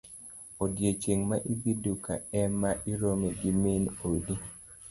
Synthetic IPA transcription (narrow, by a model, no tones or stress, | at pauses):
odjet͡ʃeŋmaʔibiduka̰ɛmaʔiɾomeɡimenodi